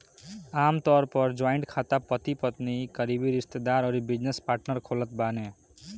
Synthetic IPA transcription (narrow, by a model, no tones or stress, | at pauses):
amt̪ʌɾpʌɾd͡ʒajɳʈkʰat̪apʌt̪ipʌt̪niɡʌɾibiɾist̪ed̪aɾʌɾibid͡ʒnespaɾʈnʌrkʰolʌt̪̚bane